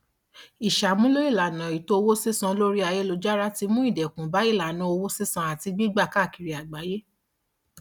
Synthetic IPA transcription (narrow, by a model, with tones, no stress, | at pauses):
i˨ʃa˨mũ˦lo˦i˦˨la˨nã˨i˨to˧o˧wo˦se˦sã˧˦lo˦ɾi˦a˧je˦lo˧d͡ʒa˦ɾa˦ti˧mũ˦i˦˨dɛ˨kũ˨ba˨˦i˦˨la˨nã˧˦o˧wo˦se˦sã˧˦a˨ti˧ɡ͡bi˦ɡ͡ba˦˨ka˦˨ki˨ɾi˨a˨ɡ͡ba˨˦je˦